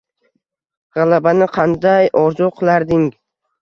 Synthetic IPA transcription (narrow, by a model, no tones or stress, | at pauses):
ʁɑlˠabanɪqʰɑnd̪ajʔɒɾzʊqʰɨlˠaɾd̪ɪŋ